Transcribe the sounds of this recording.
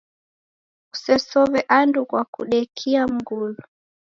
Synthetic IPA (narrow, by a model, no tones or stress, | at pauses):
u̥sɛsɔβɛʔandukwakṵɗɛkʰiam̩ɡulu